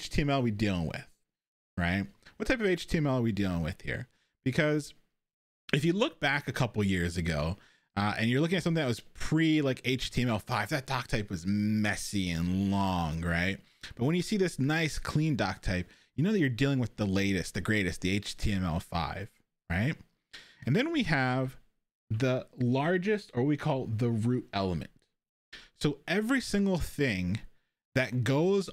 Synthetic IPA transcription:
ɪt͡ʃtʰiɨ̃mɛlˠwidilˠɪ̰̃ŋwɪ̰ð̥ | ɹaɪt̚wʌtʰaɪpʌveɪt͡ʃtʰiɨ̃mɛlˠə˞widilˠɪ̃ŋwɨ̰ð̥hḭɹ | b̥ɨkʰʌz̥ | ɨfjɨlʊk̚b̥ækɨkʰʌpl̩ˠjɪɹzɨɡoʊ | ʌʔɨ̰̃njə˞lʊk̬ɪ̃ŋɨtsʌ̃mθɪ̃ŋɨt̚wʌz̥pʰɹ̥ilaɪkeɪt͡ʃtʰiɨ̃mɛlˠfaɪvðɨt̚d̥ɑk̚tʰaɪpwʌzmɛsiɨ̃nlɔ̃ŋɹaɪt̚ | b̥ʌt̚wɨ̃njɨsiðɪsnaɪskʰl̥ĩndɑk̚tʰaɪp̚ | jɨnoʊðɨt͡ʃə˞dilˠɪ̃ŋwɨðəleɪɾɨst̪̚ðɨɡɹeɪɾɨst̚ðieɪt͡ʃtʰiɛ̃mɛ̰lˠfa̰ɪv̥ | ɹaɪt̚ | ɨ̃nðɨ̃nwiɨv | ðəlɑɹd͡ʒɨstə˞wʌt̚wikʰɔlˠðəɹʉɾɛlˠəmɨ̰̃nt | soʊɛvɹisɪ̃ŋɡl̩ˠθɪ̃ŋ | ðɨt̚ɡ̥oʊz

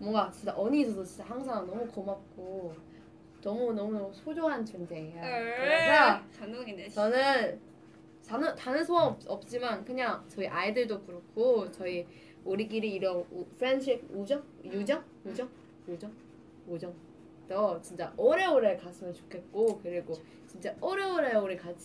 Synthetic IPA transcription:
mwʌŋɡat͡ɕint͡ɕ͈aʔʌɲiːsʰʌsʰʌt͡ɕint͡ɕ͈ahaŋsʰaŋnʌmukʌmap̚k͈o | nʌmunʌmusʰod͡ʑoɦant͡ɕʌnd͡ʑeːjaesʰa | t͡ɕʌnɯn | tanʌtanɯnsʰoʌʌp̚t͡ɕ͈imankɯɲaŋt͡ɕʌiʔaidɯɭdokuɾʌk͈ʰːot͡ɕʌi | oɾiɡiɾiːɾʌnpʰɯɾenɕʰiud͡ʑʌŋjud͡ʑʌŋ | jud͡ʑʌŋ | jud͡ʑʌŋ | od͡ʑʌŋ | dʌt͡ɕint͡ɕ͈aʔoɾe̞oɾeɭkasʰɯmjʌnt͡ɕo̥kʰe̞t̚k͈okɯɾiɡo | t͡ɕint͡ɕ͈aoɾeoɾeoɾiɭkat͡ɕʰi

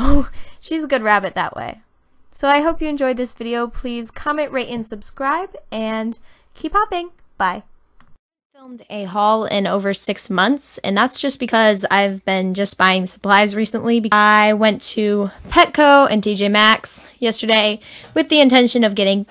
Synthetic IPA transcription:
oʊʃizəɡʊd̚ɹæbɨt̪̚ðə̰ʔwḛɪ | soʊaɪɦoʊpjɨɨ̃nd͡ʒɔɪd̪̚ðɪsvɪɾioʊpʰl̥iz̥kʰɑmɨ̃nʔɹeɪɾɨ̃nsɨb̥skɹaɪbɨ̃n | kʰiphɑpɪ̃ŋb̥aɪ | fɪlˠmdɨɦɔlˠɪ̰̃noʊvə˞sɪksmʌ̃nθsɨ̰̃nðætsd̥ʒ̥ʌsb̥ɨkʰʌza̰ɪvbɪ̃nd͡ʒʌsb̥aɪɪ̃ŋsə̥pʰl̥aɪzɹisə̃nʔlibɨaɪwɛ̃ntʰɨpʰɛkʰoʊʔɨ̰̃ntʰid͡ʒeɪmæksjɛstə˞ɾeɪwɨðiɨ̃ntʰɛ̃nʃɨ̃nʌvɡɛɾɪ̃ŋ

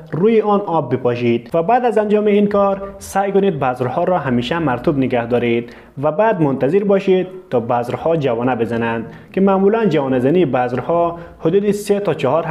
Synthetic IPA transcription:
ɾujiɔnɔbːipɔʃid̪̥vabad̪azand͡ʒɔmiinkɔɾsajkʊnid̪̚bazɾhɔɾɔɦamiʃamaɾt̪ubniɡahd̪ɔɾid̪̚ | vabad̪mʊnt̪aziɾbɔʃid̪̚t̪ːɔbazɾhɔd͡ʒavɔnabezanand̪ | kimaːmuland͡ʒavɔnazaniːbazɾhɔhʊd̪ud̪iset̪ɔt͡ʃɔhɔɾ

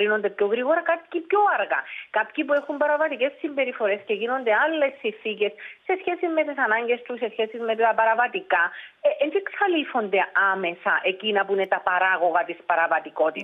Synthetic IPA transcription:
ɾino̞nd̪epço̞ɣɾiɣo̞ɾɐkat̪i̥cipço̞ɐɾɣa̰kapçipue̞xumbɐɾɐvɐt̪ice̞sːimbe̞ɾifo̞ɾe̞sce̞ʝino̞nd̪e̞alːe̞sːinθice̞sːe̞sçe̞simmːe̞t̪isɐnɐɲɟe̞st̪use̞sçe̞sizme̞t̪et̪ɐpɐɾɐvɐt̪ikaʔend͡ʒiksɐlifo̞nd̪e̞ame̞sɐʔe̞cinɐpuine̞t̪ɐpɐɾaɣo̞ɣɐt̪ispɐɾɐvɐt̪iko̞t̪it̪

